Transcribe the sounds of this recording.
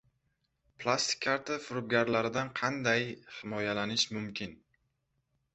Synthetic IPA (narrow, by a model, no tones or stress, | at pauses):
plˠast̪ʰɪ̥kʲʰːaɾt̪ʰafʊɾʊb̚ɡʲaɾlaɾɪd̪anqʰɑnd̪ajhɪmɒjalanɪʃmʊmkʲʰɪn